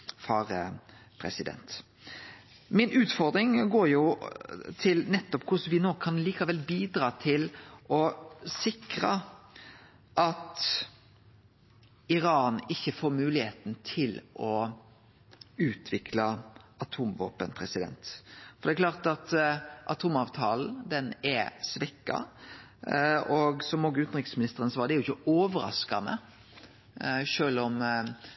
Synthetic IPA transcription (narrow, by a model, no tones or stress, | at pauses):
fɑːɾəpʰɾɛsɪd̪ɛ̰nt̪ | mɪnʉːt̪fɔʁd̪ɾɪŋɡoːɾjʊ | t̪ʰɪlnɛt̪ːɔpkʰʊsʋɪnoːkʰɑnliːkɑʋɛlbiːd̪ɾɑːt̪ʰɪlʔɔsɪkɾə̰ | ʔɑt̪ | ɪɾɑːnɪçːəfoːɾmʉːlɪheːt̪n̩t̪ʰɪlʔɔ | ʉːt̪ʰʋɪkʰlɑɑt̪ʰuːmʋo̰ːpənpʰɾɛsɪd̪ɛ̰nt̪fɔɾd̪ɛklɑːʁt̪ɑt̪ʔɑt̪ʰuːmɑːʋt̪ʰɑːln̩d̪ɛnɛɾsʋɛkːɑ̰ | ɔɡsɔmoːɡʉːt̪n̩ʁɪkəsmɪnɪst̪əʁənsɔʋɑːʁd̪ɛɾjʊɪçəoːʋəɾɑ̰skɑnə̰ | ʃøːlɔm